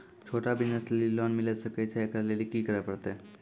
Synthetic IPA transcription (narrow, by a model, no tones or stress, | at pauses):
t͡ɕʰoʈabiəslelilɔnmiləsəket͡ʃʰɛekɾalelikiːkəɾəpəɽt̪e